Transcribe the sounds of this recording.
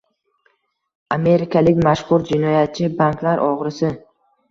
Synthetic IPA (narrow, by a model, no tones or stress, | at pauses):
ame̞ɾɪkʰalɪkʲmaʃχʊɾd͡ʒɪnɒjat̪̚t͡ʃʰɪbanklaɾʔɒʁɾɪsɪ